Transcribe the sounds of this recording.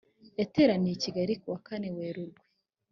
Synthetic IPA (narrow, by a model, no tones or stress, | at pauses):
eteɾanijiciɡaɾikuwakaneweːɾuɾɡwe